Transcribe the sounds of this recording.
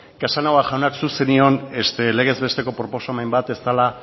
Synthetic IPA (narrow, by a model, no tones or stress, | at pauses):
kasanawaʝawnaksuse̞nio̞ne̞st̪e̞le̞ɣ̞e̞zβe̞st̪e̞ko̞pɾo̞po̞soamajmbat̪e̞st̪ala